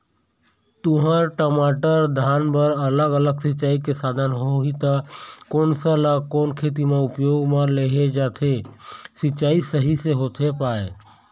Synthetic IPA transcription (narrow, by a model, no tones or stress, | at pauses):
t̪ʊɦə̃ɾʈəmaːʈəɾd̪ʱaːnpəɾələɡələɡsɪt͡ʃaːikesaːd̪ʱənɦoɦit̪əkoːnsələɡkɔːnkʰeːt̪̬imẽʊpjoːɡmẽleɦed͡ʒaːt̪ʰesɪt͡ʃaːisəɦiseɦoːt̪ʰepaːe